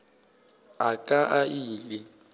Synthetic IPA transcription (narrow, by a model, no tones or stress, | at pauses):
akʼaʔaiːlɪ